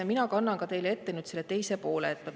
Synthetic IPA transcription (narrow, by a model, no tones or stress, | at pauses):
ɑminɑkɑnːɑŋkɑt̪e̞jleet̪ːenyt̪se̞lːe̞t̪e̞jse̞po̞ːleet̪ːˑmɑ